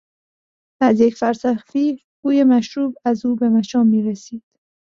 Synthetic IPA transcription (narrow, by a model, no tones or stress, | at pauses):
æzjecfæɾsæxfiː | ɡ̥uːjemæʃɾuːbæzuːbe̞mæʃɒːmːiːɾesiːd̪̥